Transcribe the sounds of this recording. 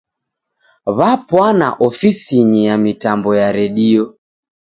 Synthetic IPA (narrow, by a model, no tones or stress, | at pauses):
βapwana̰ʔɔfisiɲijamitambɔjaɾɛɗiɔ